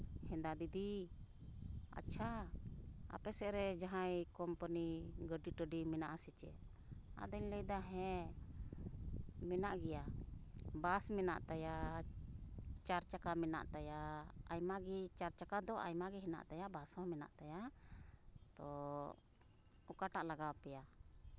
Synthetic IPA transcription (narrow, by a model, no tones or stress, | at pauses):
hɛ̃nd̪ad̪id̪i | a̰tːt͡ʃʰa | a̰pɛsɛʔɾɛd͡ʒaɦajkɔmpəniɡəɖiʈəɖimɛnaʔasit͡ʃɛ̰ʔ | a̰ʔd̪əɲləjd̪aɦɛ̃ | mɛnaʔɡɛja | basmɛna̰ʔt̪aja | t͡ʃaɾt͡ʃakamɛna̰ʔt̪ajaajmaɡit͡ʃaɾt͡ʃakad̪ɔʔa̰jmaɡɛɦɛna̰ʔt̪ajaʔbasãmɛna̰ʔt̪aja | t̪ɔ | ɔkaʈaʔlaɡawpɛja